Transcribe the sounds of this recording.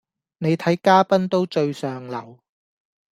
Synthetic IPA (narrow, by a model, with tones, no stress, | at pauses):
ne˨˧jt̪ʰɐ˨˥jkaː˥pɐ˥nt̪o˥wt͡ʃɵ˧ɥsœː˨ŋlɐ˨˩w